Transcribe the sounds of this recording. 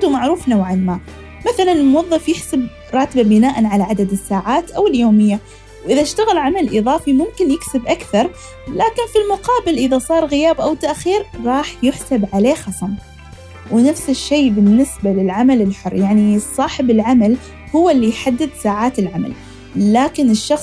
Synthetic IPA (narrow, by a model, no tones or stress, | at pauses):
d̪umaʕɾuːfnawʕanmaː | maθalanɪlmʊwɑðˤːɑfjɪħsab | ɾˤɑːt̪babɪnaːʔanʕalaʕad̪ad̪ɪsːaːʕaːt̪ʔawɪljoːmɪjːa | wʔɪðaɪʃt̪aɣɪlʕamalʔɨðˤɑːfimʊmkɪnjɪksɪbʔakθɑɾˤ | laːkɪnfilmʊqɑːbɪlʔɪðasˤɑːɾˤɣɪjaːbʔawt̪aʔxiːɾɾˤɑːħjɪħsabʕaleːxɑsˤɑm | wnafsɪʃːeːbɪnːɪsbalɪlʕamalɪlħʊrːjaʕnisˤːɑːħɪbɪlʕamal | hʊwːlːijħad̪ːɪd̪saːʕaːt̪ɪlʕama̰lː | aːkɪnɪʃːɑxsˤ